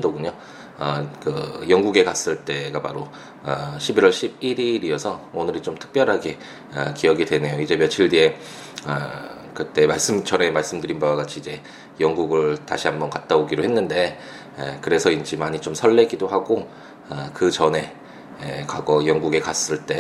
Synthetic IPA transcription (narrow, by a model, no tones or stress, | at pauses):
doɡuɲo | ʌkɯjʌŋɡuɡe̞kas͈ɯɭt͈e̞ɡapa̰ɾo | ʌɕʰibiɾwʌɭɕʰib̚iɾiɾiʌsʰʌonɯɾit͡ɕomtʰɯ̥k̚p͈jʌɾɦaɡe̞ | ʌ̰kijʌɡidwe̞ne̞joid͡ʑe̞mjʌt͡ɕʰiɭdie̞ | ʌ | kɯt͈e̞maɭs͈ɯmt͡ɕʰʌɾe̞maɭs͈ɯmdɯɾinbawaɡat͡ɕʰiːd͡ʑe̞ | jʌŋɡuɡɯɭta̰ɕʰiɦambʌnkat͈aoɡiɾoɦe̞nːɯnde̞ | kɯɾe̞sʰʌind͡ʑimaɲit͡ɕomsʰʌɭːe̞ɡidohaɡo | ʌkɯt͡ɕʌne̞ | kaɡʌjʌŋɡuɡe̞kas͈ɯɭt͈e̞